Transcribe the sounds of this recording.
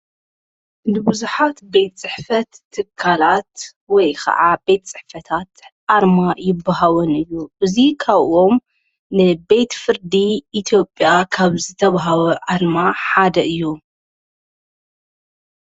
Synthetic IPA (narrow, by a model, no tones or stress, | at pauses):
nɨbɨzuħat̪be̞t̪t͡sʼɨħfɐt̪ʰːɨkʰːalat̪ | wɔjkʰɐ̰ʕabe̞t̪t͡sʼɨħfɐt̪ʰat̪ʕaɾmajɪbːaɦawɐnɨjːuʔɨzikʰaβʔo̞m | nɨbe̞t̪fɨɾd̪iʔːt̪ʰjo̞pʼjakʰaβzɨt̪ʰɐβaɦawɐʕaɾmaħad̪ɐʔɨjːu